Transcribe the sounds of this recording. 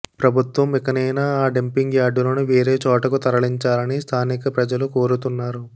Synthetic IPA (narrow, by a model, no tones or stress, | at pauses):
pɾɐbʱut̪ʋɐmikɐnɐjnaːaːɖempiŋɡjaːɖuloːnuʋeːɾeːt͡ʃɔːʈɐkut̪ɐɾɐɭiɲt͡ʃaːlɐnist̪ʰaːnikɐpɾɐd͡ʒɐluko̞ːɾut̪unːaːɾu